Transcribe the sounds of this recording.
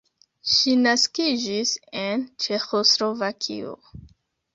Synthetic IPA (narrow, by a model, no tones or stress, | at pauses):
ʃinaskid͡ʒisent͡ʃe̞xoslo̞vakʰḭo̰